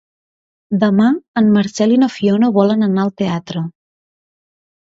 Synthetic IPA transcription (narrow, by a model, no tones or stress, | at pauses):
d̪əmaəmːəɾsɛlinofionoβɔlənənaəlˠt̪eat̪ɾə